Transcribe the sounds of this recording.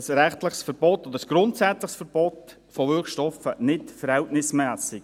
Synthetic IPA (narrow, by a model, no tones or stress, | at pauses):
əsɾɛχtlɪχsfəɾbɔtːɔd̪əɾəsɡ̥ɾʊntsæt͡slɪχsfəɾb̥ɔt | foʋʏɾkʃtɔfənɪtfəɾhɛltnɪsmæːsɪɡ